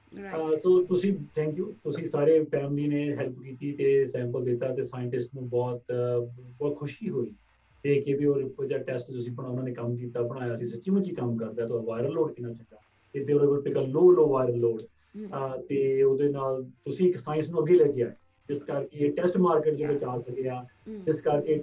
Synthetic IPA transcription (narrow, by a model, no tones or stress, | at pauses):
əsoːt̪ʊsĩːʈ̪ʰɛ̃ːŋkjuːt̪ʊsĩːsaːɾeːpʰɛːmliːneːɦɛlpkiːt̪iːt̪eːsɛ̃ːmpəld̪ɪt̪ːaːt̪eːsaːjəɳʈɪsʈnũːbɔːt̪bɔːt̪kʰʊʃiːɦoːiː | d̪eːkeːbiːoːɾd͡ʒaːʈɛsʈt̪ʊsĩːpəɽaːʊnaːneːkəmk̬iːt̪aːbəɽ̃aːjaːəsĩːsətːʃiːmə̃t͡ʃiːkəmkəɾd̪aːt̪ʊaːʋaːɪɾəlːoːɽkinãːt͡ʃəd̪aː | t̪ed̪eːləɡəpɪːkaːloːloːʋaːɪɾəlːoːɽ | t̪eːoːd̪eːnaːlt̪ʊsĩːɪksaːjɪnsnũːəɡːeːlɛːɡjaːe | d͡ʒɪskəɾkeːʈɛːsʈmaːɾkeːʈd͡ʒeːbət͡ʃaːsək̪eaːd͡ʒɪskəɾkeː